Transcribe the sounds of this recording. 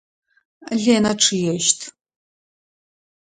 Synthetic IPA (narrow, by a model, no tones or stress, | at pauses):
ɮeːnɐʈ͡ʂʰɨjɛʃtʰ